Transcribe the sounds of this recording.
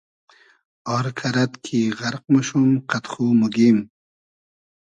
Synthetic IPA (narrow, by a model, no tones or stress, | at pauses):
ɑːɾkʰɐɾɐt̪kʰiʁɐɾq̚muʃumqʰat̪χumuɡim